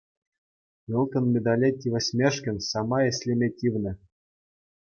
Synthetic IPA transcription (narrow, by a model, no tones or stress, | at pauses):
vʲolˠkʲɤ̆nmʲed̪ɑlʲetʲːivɘ̆sʲmʲeʂkʲɘ̆nʲsɑmɑjesʲlʲemʲetʲivnɘ̆